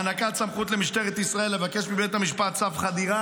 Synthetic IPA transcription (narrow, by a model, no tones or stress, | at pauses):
anakatsamχut̪le̞miʃt̪e̞ʁet̪isʁae̞lːevake̞ʃbibet̪hamiʃpat̪t͡safχad̪iʁa